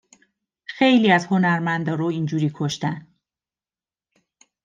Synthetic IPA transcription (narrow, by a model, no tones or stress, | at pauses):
xejliːæzho̞næɾmænd̪ɒːɾoind͡ʒuːɾiːkʰoʃt̪æn